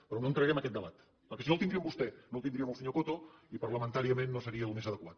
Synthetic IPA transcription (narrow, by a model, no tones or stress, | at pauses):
pɾonõnt̪ɾəɾɛemɐkɛt̪̚d̪əβat̪ | pəɾkesinolˠt̪ind̪ɾiəmbust̪ɛnolˠt̪ind̪ɾiəməlˠsəɲokot̪oipəɾləmənt̪aɾiəmẽnːosəɾiəːlˠmezəðəkwat̪